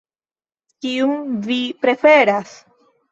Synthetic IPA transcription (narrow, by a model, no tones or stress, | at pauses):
kiuŋvipɾe̞fe̞ɾas